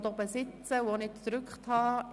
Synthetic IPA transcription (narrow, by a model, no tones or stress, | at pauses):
d̪obəsɪt͡səʋonɪtɾʏkχthɑː